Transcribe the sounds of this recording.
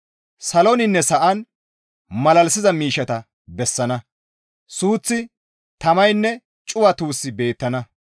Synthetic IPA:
sɐlɔnɪnːɛsɐʔɐn | mɐlɐlsɪzɐmiːʃɐt̪ɐ | bɛsːɐnɐ | suːt͡sːɪ | t̪ɐmɐjnːɛ | t͡ʃʼʊwɐt̪uːsːɪbe̞ːt̪ːɐnɐ

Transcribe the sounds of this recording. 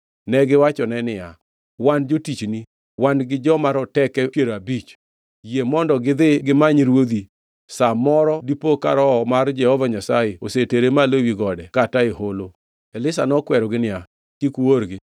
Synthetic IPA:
nɛɡɪwat͡ʃɔnɛnɪja | wand͡ʒotit͡ʃni | wanɡɪd͡ʒɔmaɾɔtɛkɛkjeɾabit͡ʃ | jemɔndɔɡɪd̪ɪɡɪmaɲɾwod̪i | samɔɾɔdipokaɾɔmard͡ʒɛhɔvaɲasajeoseteɾemalowiɡɔdɛkataeholo | ɛlɪsanɔkwɛɾɔɡɪnɪja | kikuwoɾɡɪ

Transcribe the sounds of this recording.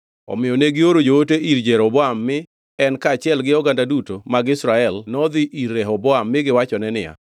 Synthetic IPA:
ɔ̰mɪjɔneɡɪoɾod͡ʒooteiɾd͡ʒɛɾɔbɔamːɪ | ɛnkaːt͡ʃɪɛlɡɪɔɡandadutomaɡɪsɾaɛlnɔd̪ɪʔiɾːɛɦɔbɔamːɪɡɪwat͡ʃɔnɛnɪa̰

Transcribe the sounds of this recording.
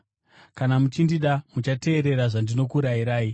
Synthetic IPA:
kanamut͡ʃindiɗamut͡ʃate̞ːɾe̞ɾaʐandino̞kuɾaiɾaːi

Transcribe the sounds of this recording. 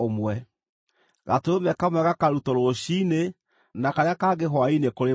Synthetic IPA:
omwɛ | ɣatoomɛkamwɛɣakaɾutɔɾooɕine | nakaɾeakaːɡeɦwainekoɾe

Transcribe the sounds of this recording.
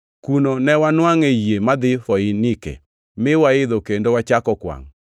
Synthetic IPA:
kunonɛwanwaŋejemad̪ɪfɔɪnikḛ | mɪwaɪd̪okendowat͡ʃakɔkwa̰ŋ

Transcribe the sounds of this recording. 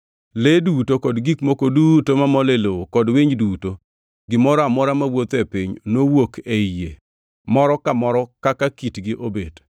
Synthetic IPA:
ledutokɔdɡikmokodutomamɔlelokɔdwiɲduto | ɡɪmɔɾɔamɔɾamawot̪epiɲnowokejḛ | mɔɾɔkamɔɾɔkakakitɡɪʔobed

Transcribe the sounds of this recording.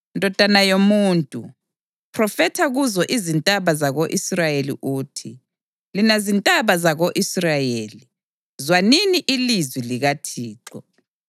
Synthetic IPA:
ndʱɔd̥ʱanajomuːntʼṵ | pʰʼrɔfɛtʰaɣuzɔʔizintʼaβazaɣoʔisrajelḭʔuːtʰi | linazintʼaβazaɣoʔisrajeːli | zwaniniʔilizwiliɣatʰiːǁɔ

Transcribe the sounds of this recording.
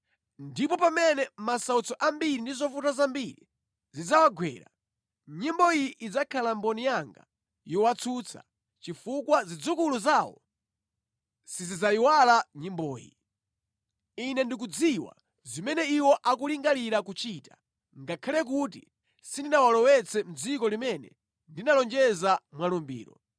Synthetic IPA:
ndipɔpamɛnɛmasaut͡sʰɔʔambiɾindizɔfutazambiɾḭ | zid͡zawaɡwɛ̰ːɾa̰ | ɲimbɔiʔid͡zakʰalambɔnijaŋɡa̰ | jɔwat͡sʰut͡sʰa̰ | t͡ʃifukwazid͡zukuluzaːwɔ̰ | sizizaiwalaɲimbɔːjḭ | inɛndik̬ud͡ziwa̰ | zimɛnɛiwɔʔak̬uliŋɡaliɾakut͡ʃiːtḁ | ŋɡakʰalɛk̬ut̬ḭ | sindinawalɔwɛt͡sʰɛm̩d͡zikɔlimɛnɛ̰ | ndinalɔnd͡ʒɛzamwalumbḭːɾɔ̰

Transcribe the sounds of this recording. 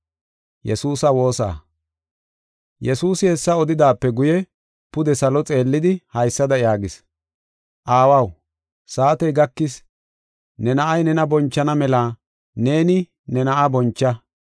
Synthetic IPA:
jɛ̰suːsɐwo̞ːsa̰ː | jɛsuːsɪhɛsːɐɔd̪ɪd̪aːpːɛɡʊjɛ | pʊd̪ɛsɐlɔt͡sʼe̞ːlːɪd̪ɪhɐjsːɐd̪ɐjaːɡɪs | ʔaːwɐw | saːt̪ɛjɡɐkːɪs | nɛnɐʔɐjnɛnɐbɔnt͡ʃːɐnɐmɛlaː | ne̞ːnɪ | nɛnɐʔabɔnt͡ʃːɐ

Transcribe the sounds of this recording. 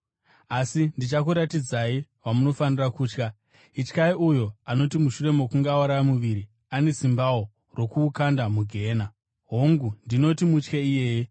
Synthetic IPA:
asindit͡ʃakuɾatid͡zaiʋamuno̞fanirakuːt͡ʃka | it͡ʃkaiʔujo̞ano̞timuʃure̞mo̞kuŋɡawaɾamuʋiɾi | ane̞simbawo | ro̞kuːkandamuɡʱe̞ːna | ɦoŋɡundino̞timut͡ʃkeije̞ːje

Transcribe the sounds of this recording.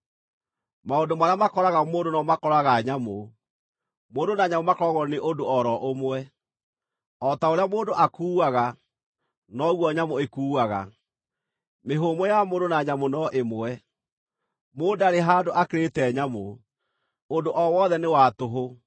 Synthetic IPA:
maondomaɾeamakɔɾaɣamoːndonɔmakɔɾaɣaɲamo | moːdonaɲamomakɔɾɔɣɔneʔondoɔɾɔʔomwɛ | ɔtaoɾeamoːndoʔakuːwaɣa | nɔɣwɔɲamoekuːaɣa̰ | meɦomɔjamondonaɲamonɔʔemɛ | moːndaɾeɦaːdoʔakeɾetɛɲamo | ondoʔɔwɔðɛnewatoɦo

